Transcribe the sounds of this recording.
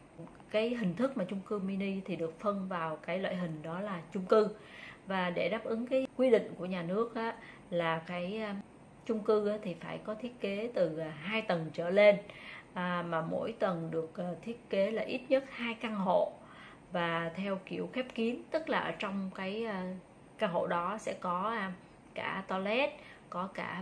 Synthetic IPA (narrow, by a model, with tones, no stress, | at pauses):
kaː˨˦jɦï˨˩ŋ̟t̪ʰɨ˦˥k̚maː˨˩t͡ɕʊ˧ŋ͡mkɨ˧mi˧ni˧t̪ʰi˨˩ɗɨ˨˩ək̚fə˧nvaː˨˩wkaː˨˦jlwa̰ː˧˨jɦï˨˩ŋ̟ɗɔ˨˦laː˨˩t͡ɕʊ˧ŋ͡mkɨ˧vaː˨˩ɗe˧˩ɗaː˦˥p̚ʔɨ˨˦ŋkaː˨˦jkwi˧ɗḭ̈˧˨ŋ̟ku˧˩əɲaː˨˩nɨ˦˥ək̚ʔaː˨˦ | laː˨˩kaː˨˦j | t͡ɕʊ˧ŋ͡mkɨ˧ʔaː˨˦t̪ʰi˨˩faː˧˩jkɔ˨˦t̪ʰi˦˥ət̚ke˨˦t̪ɨ˨˩˨ɦaː˧jt̪wə˨˩nt͡ɕəː˧˩le˧nʔːmaː˨˩mo̰˧˥˨jt̪wə˨˩nɗɨ˨˩ək̚ʔt̪ʰi˦˥ət̚ke˨˦laː˨˩ʔi˦˥t̚ɲə˦˥t̚haː˧jkaː˧ŋɦo̰˧˨ | vaː˨˩t̪ʰɛ˧wki˧˩əwxɛ˦˥p̚ki˨˦ənt̪ɨ˦˥k̚laː˨˩ʔəː˧˩t͡ɕɔ˧wŋ͡mkaː˨˦jː | kaː˧ŋɦo̰˧˨ɗɔ˨˦sɛ̰˧˥kɔ˨˦˧ | ka̰ː˧˩t̪ɔ˧lɛ˦˥t̚ | kɔ˨˦ka̰ː˧˩